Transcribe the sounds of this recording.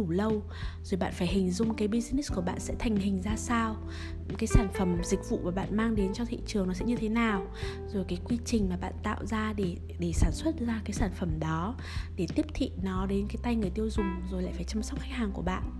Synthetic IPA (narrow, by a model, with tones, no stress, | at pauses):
ɗu˧˩lə˧w | zo˨˩jɓa̰ː˧˨nfaː˧˩jhï˨˩ŋ̟zʊ˧ŋ͡mkaː˨˦jɓi˧zi˧ni˦˥ku˧˩əɓa̰ː˧˨nsɛ̰˧˥t̪ʰa˨˩jŋ̟hï˨˩ŋ̟zaː˧saː˧w | kaː˨˦jsaː˧˩nfə˧˩mzï˨˩k̟̚vṵ˧˨maː˨˩ɓa̰ː˧˨nmaː˧ŋɗe˨˦nt͡ɕɔ˧t̪ʰḭ˧˨t͡ɕɨ˨˩əŋnɔ˨˦sɛ̰˧˥ɲɨ˧t̪ʰe˨˦naː˨˩w | zo˨˩jkaː˨˦jkwi˧t͡ɕï˨˩ŋ̟maː˨˩ɓa̰ː˧˨nt̪a̰ː˧˨wzaː˧ɗe˧˩ | ɗe˧˩saː˧˩nswə˦˥t̚zaː˧kaː˨˦jsaː˧˩nfə˧˩mɗɔ˨˦ | ɗe˧˩t̪i˦˥əp̚t̪ʰḭ˧˨nɔ˨˦ɗe˨˦nkaː˨˦jt̪a˧jŋɨ˨˩əjt̪i˧əwzʊ˨˩ŋ͡mzo˨˩jla̰ː˧˨jfaː˧˩jt͡ɕa˧msa˦˥k͡p̚xa˦˥k̚haː˨˩ŋku˧˩əɓa̰ː˧˨nʔ